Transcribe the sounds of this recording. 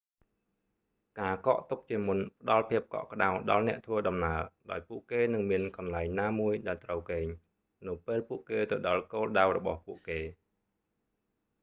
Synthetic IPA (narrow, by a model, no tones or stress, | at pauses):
kaːkɑ̰ːʔt̪uk̚t͡ɕiəmunpə̆ɗɑlpʰiəp̚kɑ̰ʔkə̆ɗawɗɑlnɛ̆əʔt̪ʰʋəːɗɑmnaəlɗaɔjpuəʔkeːnɨŋmiənkɑnlaɛŋnaːmuəjɗaɛlt̪rəwkeːɲ | nɨwpeːlpuəʔkeːt̪ɨwɗɑlkoːlɗawrɔɓɑ̰hpuəʔkeː